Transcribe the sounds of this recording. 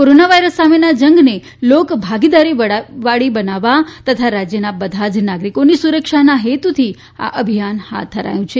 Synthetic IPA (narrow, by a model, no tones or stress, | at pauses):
koɾonaʋajɾəsːamenad͡ʒəŋɡne | lokbʱaɡid̪aɾiʋaɽibənaʋat̪ət̪ʰaɾad͡ʒjənabəd̪ʱad͡ʒnaɡɾikonisuɾəkʃanaɦet̪ut̪ʰi | a̰ʔəbʱijanha̰t̪̚d̪ʱəɾa̰jũt͡ʃʰe